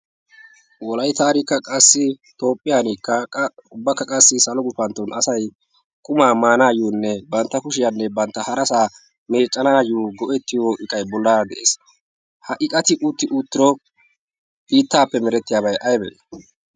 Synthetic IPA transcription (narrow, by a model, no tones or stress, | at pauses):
wɔlɐjt̪aːɾɪkːɐkʼɐsːɪt̪o̞ːpʼːɪjaːniːkːɐʊbːɐkːɐkʼɐsːɪsɐlɔɡʊfɐnt̪ːɔnʔɐsɐj | kʼʊmaːmaːnaːjuːnːɛbɐnt̪ːɐkʊʃɪjanːɛbɐnt̪ːɐhɐɾɐsaː | me̞ːt͡ʃʼːɐnaːjuːɡɔʔɛt̪ːɪjoːʔɪkʼːɐjbɔlːaːɾd̪ɛʔḛːs | hɐʔɪkʼɐt̪ɪʔut̪ːɪʔut̪ːɪɾɔ | biːt̪ːaːpːɛmɛɾɛt̪ːɪjaːbɐjʔɐjbɛ̰ʔ